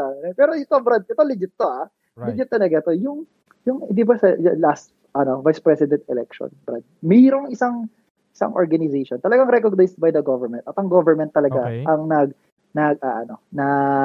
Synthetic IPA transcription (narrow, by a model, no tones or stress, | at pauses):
amnɛpɛːɾo̞ʔɪt̪obɾad̪̚ɪt̪olɪd͡ʒɪt̪̚ːoʔa | lɪd͡ʒɪt̪̚ːɐlɐɡat̪o̞jʊŋ | jʊŋnd̪ibɐsɐlast̪̚ | ʔɐno̞vajspɾɛsɪd̪ɛnt̪ɛlɛk̚ʃo̰nbɾa̰d̪̚mɛːɾoŋɪsaŋ | ʔɪsa̰ŋʔoɹɡɐnɪzeʃont̪ɐlɐɡaŋɾɛkoɡ̚najsd̪̚bɐjd̪ɐɡovɛɹmɛnt̪ʔɐt̪ɐŋɡovɛɹmɛnt̪ːɐlɐɡaʔɐŋnɐɡ̚ | nɐɡʔaʔɐno̞nɐ